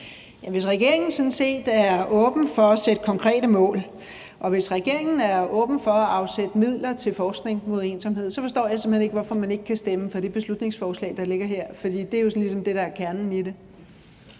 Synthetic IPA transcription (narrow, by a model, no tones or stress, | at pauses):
jæʋe̝sʁɛɡ̥e̝ɐɐ̰e̝ŋn̩sɒ̽n̩se̝̰ːd̥æɐɔ̽ːb̥n̩fɒ̽æsed̥əkʰɒ̽ŋkʰʁɛ̰ːd̥əmɔ̰̽ːl | ʔɒ̽ʋe̝sʁaɡ̥e̝ɐ̰e̝ŋn̩æɐɔ̽ːb̥n̩fɒ̽æɑ̈ʊsed̥əmið̞̰ˠlɐt͡sʰe̝lfɒːsɡ̥ne̝ŋmo̝ðˠe̝ːnsɑmɦe̝ð̰ˠsɒ̽fɒ̽sd̥ɔ̰ːjɑ̈sɒ̽mhene̝ɡ̥ʋɒfɒ̽mæne̝ɡ̥ə̥kʰæsd̥eməfɒ̽d̥eb̥e̝slud̥ne̝ŋsfɒːslɛ̰ːd̥ɑ̈le̝ɡ̥ɐɦeɐ̰fɒ̽d̥ḭːd̥e̝æɐjo̝sɒnlis̬ɒ̽md̥e̝ɾ̥ɑ̈æɐkʰæɐnn̩ide̝